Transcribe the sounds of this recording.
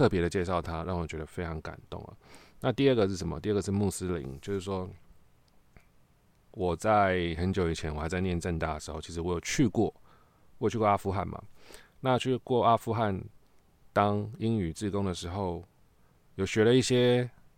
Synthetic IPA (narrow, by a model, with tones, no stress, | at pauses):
t̪ʰɤ˥˨˩pjɛ˧˥ɾə˨˧t͡ɕjɛ˥˧ʂ̬ɑ˥˩ʊt̪ʰa˦ɻa˥˩ŋwɔ˨˩t͡ɕɥɛ˧˦d̪ə˧fe˥ɪʈ͡ʂʰɑ˧˥ŋka̰˨˩nt̪ʊ̰˥˩ŋlə̰˩na˥˧t̪i˥˧ə˥˩ɡə˨ʂɻ̩˥˩ʂə˨˩˦mə̰˨t̪i˥˧ə˥˩ɡə˨˩ʂɻ̩˥˧mu˥˧sɹ̩˦˥lḭ˧˦nt͡ɕjo˥˧ʊʂɻ̩˥˩ʂwɔ˥ | wɔ˨˩t͡sa˥˧ɪxə˧˦nt͡ɕjo˧˥ʊi˨˩t͡ɕʰjɛ˧˦nwɔ˨xa˧˥ɪt͡sa˥˧ɪnjɛ˥˧nʈ͡ʂə˥˧nt̪a˥˩d̪ə˩ʂɻ̩˧˥xo˥˩ʊt͡ɕʰi˧˥ʂɻ̩˧wɔ˧˦jo˨˩ʊt͡ɕʰy˥˧kwɔ˥˩ | wɔ˦jo˨y˥kwa˥fu˥xa̰˥˩nma̰˨˩na˥˩˨t͡ɕʰy˥˧kwɔ˥˩ʔa˥fu˥˧xa˥˩n | t̪ɑ˦ŋi˦˥ŋy˨˩t͡sɹ̩˥˩kʊ˥ŋd̪ə˨ʂɻ̩˧˦xo˥˩ʊ | jo˨˩ʊɕɥɛ˧˥lə˧i˥˩ɕjɛ˦˥